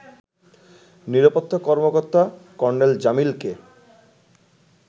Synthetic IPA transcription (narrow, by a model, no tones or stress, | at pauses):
niɾapot̪ʰːokɔɾmokoɾt̪akɔɾneld͡ʑamilke